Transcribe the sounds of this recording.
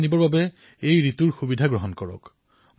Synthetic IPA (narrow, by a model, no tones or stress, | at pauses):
nibɔɹbabɛ | ejɹituɹxubidʱaɡɹɔɦɔnkɔɹɔ̰k | m